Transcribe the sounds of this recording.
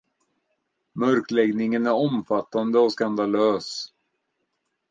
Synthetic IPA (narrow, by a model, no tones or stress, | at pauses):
mœɾklɛɡnɪŋənæɾɔmfat̪ːand̪əɔskand̪aløːs